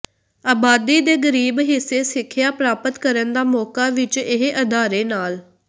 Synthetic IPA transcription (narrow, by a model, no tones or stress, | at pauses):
aːbaːd̪iːd̪eːɡəɾiːbɦɪseːsɪkʰːjaːpɾaːpət̪kəɾənd̪aːmɔːkaːʋɪt͡ʃɪɦʔəd̪aːɾeːnaːl